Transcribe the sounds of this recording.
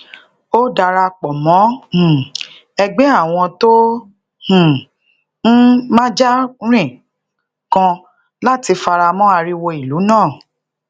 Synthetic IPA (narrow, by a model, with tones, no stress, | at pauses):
o˦da˧ɾa˧k͡pɔ˨mɔ̃˨˦˨ | ɛ˧ɡ͡be˦a˦˨w̃ɔ̃˧to˦ | h̩˨ | n̩˦mã˦d͡ʒa˦ɾ̃ĩ˦˨ | kã˧ | la˦ti˧fa˧ɾa˧mɔ̃˦a˧ɾi˦wo˧i˨lu˨˦nãː˦˨